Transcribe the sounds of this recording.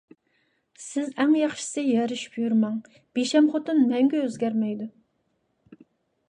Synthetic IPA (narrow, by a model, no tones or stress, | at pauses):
sɪzɛŋjɑχʃɪ̥sɨjɛɾɨʃy̥pjyɾmɑŋ | b̥eʃɛmχot̪ɨnmɛŋɡʲɛøzɡʲɛɾmɛjd̪u